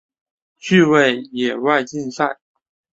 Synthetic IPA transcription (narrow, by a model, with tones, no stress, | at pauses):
t͡ɕy˥˧we˥˩ɪjɛ˨˩wa˥˧ɪt͡ɕi˥˧nsa˥˩ɪ